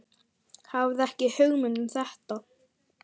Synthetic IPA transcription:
havðɛhcɪhœɣmʏnʏmθɛht̪a

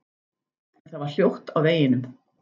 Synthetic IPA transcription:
nθaðvaɾ̥l̥jowht̪awveːjɪnʏm

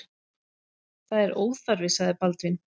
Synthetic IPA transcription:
θaðɛɾoːwðfaɾvɪsaðɪpalt̪vɪn

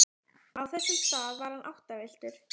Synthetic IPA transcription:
awθɛsːʏmst̪aːðvaɾhanʔawht̪avɪl̥t̪ʏɾ̥

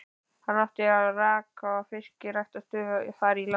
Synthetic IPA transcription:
hanːaft̪ɪaraːkafɪr̥cɪɾajht̪ast̪ʏːvfaːɾila

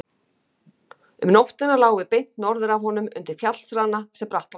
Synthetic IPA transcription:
ʏmnowht̪ɪnalaːwvɪpejn̥t̪nɔɾðʏɾavɦɔn̪ʏmʏ̰nt̪ɪɾ̥fjat̪l̥sɾanːasɛmpɾaht̪

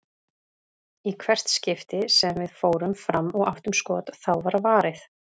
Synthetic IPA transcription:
ikʰvɛr̥t̪scɪft̪ɪsɛmvɪðfoːwɾʏmfɾamːɔɣaft̪ʏmskɔːt̪θawvaɾavaːɾɪθ

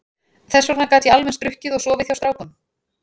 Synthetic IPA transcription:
θɛsːɔɾnakaːt̪jɛalmɛnst̪ɾʏhcɪðɔɣsɔːvɪðθjawst̪ɾaːwkʏm

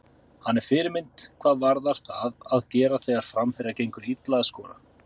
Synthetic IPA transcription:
hanːɛɾ̥fɪːɾɪɾmɪnt̪kʰv̥aːðvaɾðaɾ̥θaðaðcɛːɾaθeɣaɾ̥fɾamfɛɾacejŋkʏɾit̪laðaskɔːɾa̰

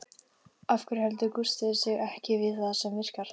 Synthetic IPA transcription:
afkʏɾ̥hɛlt̪ʏkust̪ɪðɪsɪɣɛhcɪvɪðθaðsɛmvɪr̥kaɾ̥t̪

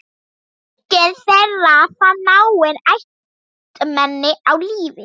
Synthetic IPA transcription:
ɡ̥ɛnθɛɾaθanawwɪnaj | t̪ʼəmɛnɪawliːvɪ

